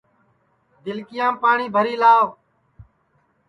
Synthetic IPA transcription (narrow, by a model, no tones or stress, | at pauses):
d̪ɪlkɪjãːpaːɳiːbʱəɾiːlaːʋ